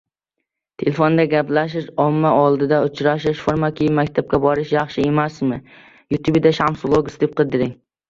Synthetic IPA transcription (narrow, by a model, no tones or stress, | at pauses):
t̪ʰelefond̪aɡʲaplaʃɪʃɒmːaʔɒlˠd̪ɪd̪aʊt͡ʃʰɾaʃ̬ɪʃfoɾmakʲʰijɪmakʲt̪ʰap̚kʲabɒɾɪʃjɑχʃɪe̞masmɪ | jut̪ʰubd̪aʃamsʊlˠoɡʲʊsd̪ɪp̚qʰɨd̪ɪɾɪŋ